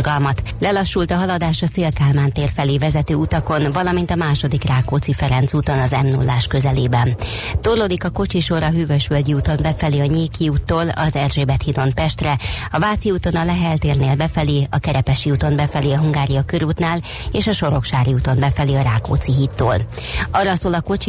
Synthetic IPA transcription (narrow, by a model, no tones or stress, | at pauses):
ɡɒlmɒt̪lɛlɒʃːult̪ɒɦɒlɒd̪aːʃɒseːlkaːlmaːnt̪eːrfɛliːvɛzɛt̪øːut̪ɒko̞nvɒlɒmint̪ɒmaːʃo̞d̪ikraːkoːt̪sifɛɾɛnt̪suːt̪o̞nɒzɛmnṵlːaːʃkø̞zɛleːbɛnt̪orloːd̪ikɒko̞t͡ʃiʃo̞ɾɒɦyːvøʃʋølɟiuːt̪o̞mbɛfɛliɒɲeːkiuːt̪ːoːlɒ̰zɛrʒeːbɛt̪hid̪o̞npɛʃt̪rɛɒvaːt̪siuːt̪o̞nɒlɛɦɛlt̪eːrneːlbɛfɛliɒkɛɾɛpɛʃiuːt̪o̞mbɛfɛliɒɦuŋɡaːɾijɒkøɾuːt̪naːl | eːʃɒʃo̞ɾo̞kʃaːɾiuːt̪o̞mbɛfɛliɒɾaːko̰ːt̪siɦit̪ːo̰ːl | ɒrːɒsoːlɒko̞t͡ʃi